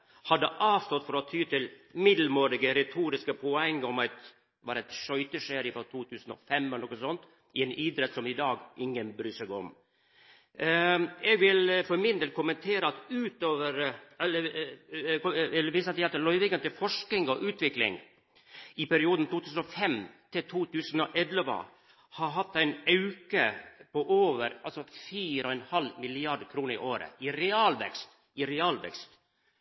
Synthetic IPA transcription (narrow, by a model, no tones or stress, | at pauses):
hɑd̪ːəʔɑːʋst̪ɔt̪ːfɔɾɔt̪ʰyːt̪ʰɪlmɪd̪l̩moːɾɪɡəɾɛt̪ʰuːɾɪskəpʰɔɛŋːɔmɑɪt̪ | ʋɑːɾɛt̪ʂœʏt̪əʂeːɾɪfɾɔt̪ʰuːt̪ʰʉːsn̩ɔ̰fɛmlnɔkːəsɔnt̪ | ɪɛnʔiːd̪ɾɛt̪sɔmɪd̪ɑːɡʔɪŋːənbɾyːsəɡɔ̰m | ɛɡʋɪlfɔɾmɪnd̪eːl̚kʰʊmənt̪ʰeːɾəɑt̪ʉːt̪oːʋəɾɛlːə | ɛlːəɾʋiːsəɑt̪æɑt̪lœʏʋɪɡənt̪ɪfɔʂk̪ɪŋɔʔʉːt̪ʰʋɪklɪ̰ŋ | ɪpæɾɪuːd̪n̩t̪ʰuːt̪ʰʉːsən̩ɔfɛmt̪ʰɪlt̪ʰuːt̪ʉːsənɔʔɛd̪lʋɑ̰ | hɑɾɦɑt̪ːæɪnɑʉkəpɔʔoːʋəɾɑlsɔfiːɾɔɛnhɑlmɪlɪɑɖkʰɾuːnəɾɪ̰ʔoːɾə̰ɪɾɛɑːlʋɛ̰kst̪ | ɪɾɛɑːlʋɛ̰kst̪